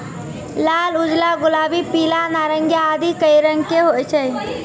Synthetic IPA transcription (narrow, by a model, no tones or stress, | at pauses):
lalud͡ʒlaɡulabipilanaɾəŋɡjaːd̪ikəjɾəŋkeɦojt͡ʃʰəj